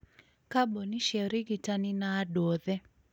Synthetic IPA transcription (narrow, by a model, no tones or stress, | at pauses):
kaboniʃɛɾiɡitaninaːdoðɛ